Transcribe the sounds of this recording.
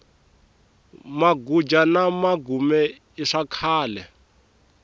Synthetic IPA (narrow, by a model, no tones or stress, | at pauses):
maɡud͡ʒanamaɡumɛ | iʂakʰaːlɛ